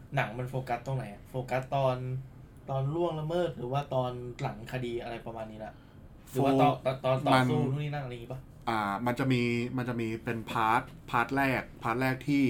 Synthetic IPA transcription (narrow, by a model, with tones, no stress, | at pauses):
na˩˦ŋma˧nfoː˧ka˦˥t̪ːo˧˩ŋna˨˩˦jʔa˨˩foː˧ka˦˥t̪ːɔː˧n | t̪ɔː˧nlu˥˩əŋla˧mɤː˥˩t̪̚ɾɯː˩˦waː˥˩t̪ɔː˧nla˩˦ŋkʰa˧diː˧ʔa˧ɾa˧jpɾa˧maː˧nːiː˦˥la˧˩ʔ | ɾɯː˩˦waː˥˧˩t̪ɔː˨˩t̪ɔ˧˩t̪ɔː˧nt̪ɔː˨ma˧snu˥˩˨u˥˨niː˥na˥˩ŋʔa˧a˧ŋiː˦˩ba˧˥˩ | ʔaː˧˩ma˧nt͡ɕa˨˩ʔmiː˧ma˧nt͡ɕa˨˩ʔmiː˧pe˧npʰaː˦˥t̪̚pʰaː˦˥t̪̚ɾɛː˥˩k̚pʰaː˦˥t̪̚ɾɛː˥˩k̚t̪ʰiː˥˩